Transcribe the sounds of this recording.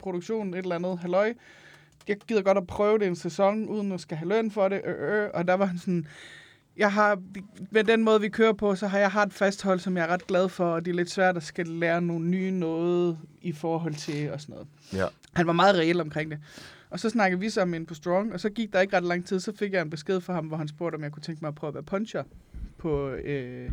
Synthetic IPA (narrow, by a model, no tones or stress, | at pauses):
pʰʁoɾoɡ̥ɕo̝̰ːnn̩e̝d̥ɾelænð̞̩ˠɦælɒ̽ɪ | jɑ̈ɪɡ̥iðˠɐɡ̥ɒ̽ɾ̥æpʰʁœːʊɾe̝ensæsɒ̽ŋʔuð̞ˠən̩ɒsɡ̥æɦælønfɒ̽ɾeʔøøʔɒ̽d̥æʋɑ̈ɦænsɒn | jɑ̈ɪɦɑ̈imedenmɔ̽ːð̞̩ˠʋikʰøːɐpʰɒ̽sɒ̽ɦɑ̈jɑ̈ɪɦɑ̈d̥ed̥fæsd̥hɒ̽l̰sɒ̽mjɑ̈ɐʁɑ̈d̥̚ɡ̥lɛð̞ˠfɒ̽ɒd̥e̝ɐled̥sʋæɐ̰d̥æsɡ̥ælæːɐno̝ːn̩ːyːnɔːð̩ˠifɒːɦɒ̽l̰t͡sʰe̝lɒ̽sɒnɔ̽ːð̞̩ˠ | hænʋɑ̈mɑ̈ːð̩ˠʁɛlɒ̽mkʰʁeŋ̰d̥e̝ | ɒ̽sɒ̽snɑ̈ɡ̥ð̩ˠʋisɒ̽menpʰɒ̽sd̥ʁɒŋɒ̽sɒ̽ɡ̥iɡ̥̚d̥ɑ̈e̝ɡ̥ʁɑ̈d̥lɑ̈ŋ̰t͡sʰið̰ˠsɒ̽fe̝ɡ̥jɑ̈ɪenb̥e̝s̬ɡ̥e̝ð̞̰ˠfɒ̽ɦɑ̈mʋɒɦænsb̥o̝ɐ̰ɾ̥ɒ̽mjɑɪkʰu̥t͡sʰeŋɡ̥mɑ̈ɪpʰʁœʊɐʋæːɐpʰɒ̽nɕɐpʰɒ̽ø